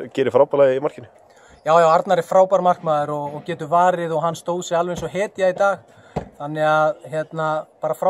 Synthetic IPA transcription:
cɛːɾɪfɾaːwpaɾlajðɪimar̥cɪnɪ̥ | jaːwjaːwaɾt̪naɾɪfɾaːwpaɾmar̥kmaːðʏɾɔɣɔɣcɛːt̪ʏvaːɾɪðɔɣɦanːst̪oːwðsɛɣalvɛejnsɔɦɛːt̪ɪjait̪aːx | θanːɪɣaðɦjɛt̪napaːɾafɾa

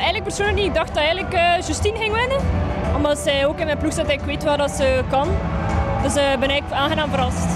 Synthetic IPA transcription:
ɛjɣələk̚pər̥soːnlək̚diɪɡ̚dɑxtɑɛjɣənləkəʒəstinɣɪŋʋɪnəɔmɑsɛoːkɪnmɛnpluxsɛtɛɣləkʋeːtʋaːrdɑtsəkɑndəs̚bɛnɛɣləkaːnɣənaːmvəɾɑst

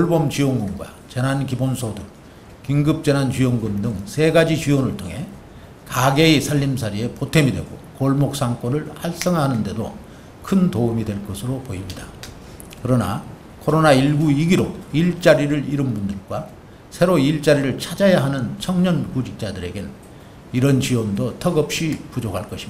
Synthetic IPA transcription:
oɭbomt͡ɕioŋɡoŋɡwa̰t͡ɕenɦankibonsʰodɯŋ | kiŋɡɯp̚t͡ɕ͈enɦant͡ɕijoŋɡomdɯŋsʰe̞ɡad͡ʑit͡ɕiʌnɯɭtʰoŋɦe̞ | kaɡe̞isʰaʎːimsʰaɾie̞potʰe̞midwe̞ɡo̰koɭmok̚s͈aŋk͈ʌnɯɭhaɭs͈ʌŋɦaɦanɯnde̞do̰ | kʰɯntoumidwe̞ɭk͈ʌsʰɯɾopoimɲida | kɯɾʌna̰ | kʰoɾonaiɭɡuiɡiɾo̰iɭt͡ɕ͈aɾiɾɯɭiɾɯmbundɯɭɡwa | sʰe̞ɾoiɭt͡ɕ͈aɾiɾɯɭt͡ɕʰad͡ʑajaɦanɯnt͡ɕʰʌŋɲʌnkud͡ʑik̚t͡ɕ͈adɯɾe̞ɡen | iɾʌnt͡ɕiwʌndotʰʌɡʌp̚ɕ͈ipud͡ʑokʰaɭk͈ʌɕʰim

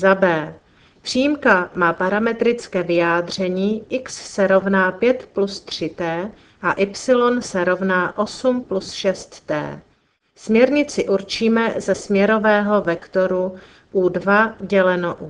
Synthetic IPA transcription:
zabɛː | pr̝̥iːjimkamaːpaɾamɛt̪ɾɪt͡skɛːvɪjaːd̪r̝ɛɲiːʔɪksːɛɾo̞vnaːpjɛt̪plust̪r̝̥ɪt̪ɛː | ʔaʔɪpsɪlo̞nsɛɾo̞vnaːʔo̞sumplusʃɛst̪ːɛ̰ː | smɲɛɾɲɪt͡sɪʔuɾt͡ʃiːmɛzɛsmɲɛɾo̞vɛːɦo̞vɛkt̪o̞ɾu | ʔuːdvaɟɛlɛnoʔuː

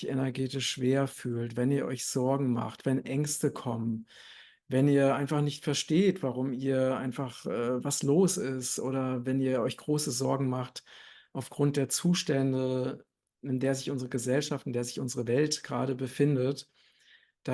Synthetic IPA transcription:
ʔenɛɐɡeːtɪʃv̥eːɐfyːltv̥ɛniːɐʔɔʏçz̥ɔɐɡŋ̩ma̰χtv̥ɛnʔɛŋstəkʰɔmən | vɛniːɐʔaɪnfaχnɪçtfɛɐʃteːtv̥aʁʊmiːɐʔa̰ɪnfaχʔɛːvasloːsɪstʔo̰ːɾɐvɛniːɐɔʏçɡ̥ʁoːsəzɔɐɡŋ̩maχtʔaʊfɡ̥ʁʊnt̚d̥eːɐt͡suːʃtɛndə | ɪndeːɐzɪçʔʊnzəʁəɡəzɛlʃaftɪnd̥eːɐzɪçʔʊnzəʁəvɛltɡ̥ʁa̰ːɾəbəfɪndət | d̥a

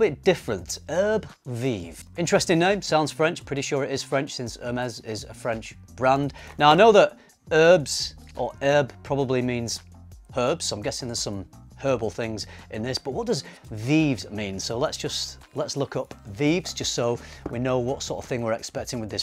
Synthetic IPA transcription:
bɪt̚d̥ɪfɹə̃ntɜ˞bviv̥ | ɪ̃nt͡ʃɹ̥ɛstɪ̃ŋnẽɪ̃msãʊ̃ndz̥fɹɛ̃nt͡ʃpʰɹ̥ɪɾiʃʊɹɪɾɪz̥fɹɛ̃nt͡ʃsɪ̃nsɜːmɛzɪzə̰fɹɛ̃nt͡ʃ | b̥ɹãndnaʊaɪnoʊðəɾ | ɜ˞bz̥ | ʔə˞ɜ˞bpʰɹ̥ɑbəblimĩnz̥ | hɜ˞bz̥ãɪ̃mɡɛsɪ̃ŋðəz̥sʌ̃mhɜ˞bl̩ˠθɪ̃ŋzʔɪ̃nðɪsb̥ʌʔ̚wɒt̚d̥ʌz | vivzmĩnsoʊlətsd̥ʒ̥ʌst | lətslʊkʌpvivz̥d͡ʒʌstsoʊwinoʊwʌtsɔˑɹtə̰v̥θɪ̃ŋwɪɹɛkspɛk̚tɪ̃ŋwɨðɪs

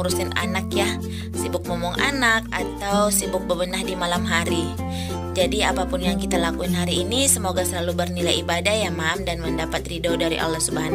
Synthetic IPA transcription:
ɾusɪna̰nakjah | sibʊk̚momɔŋʔa̰nakat̪awsibʊk̚bəbənahdimalamɦaɾi | d͡ʒadiapapʊnjaŋkit̪alakuɪnɦaɾiːnisəmoɡasəlalubərnilajibadahjamaːmdanməndapat̪ridodaɾḭʔa̰lːahsubaan

